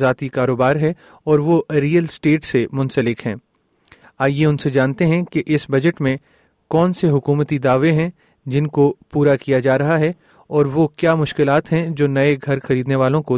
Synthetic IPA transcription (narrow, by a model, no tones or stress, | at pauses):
zaːt̪ikaːɾoːbaːɾɦɛ | ɔːɾʋoɾiːəlsʈeːʈsemʊ̃nsəlɪkɦɛ̃ː | aːjeʊnsed͡ʒaːnt̪eɦɛ̃keʔɪsbɐd͡ʒəʈmẽ | kɔːnseɦʊkuːmət̪id̪aːʋeɦɛ̃ | d͡ʒɪnkopuːɾakijad͡ʒaːɾɐɦaɦɛ | ɔːɾʋokjaːmʊʃkɪlaːt̪ɦɛ̃d͡ʒoːnɐeɡʱɐɾxɐɾiːd̪neʋaːlõko